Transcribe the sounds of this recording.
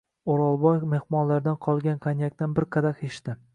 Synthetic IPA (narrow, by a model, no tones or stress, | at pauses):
oɾɒlˠbɒjme̞hmɒnlaɾd̪anqʰɒlˠɡʲanqʰanjak̚ʲt̪anbɪɾqʰɑd̪aqheʃt̪ɪ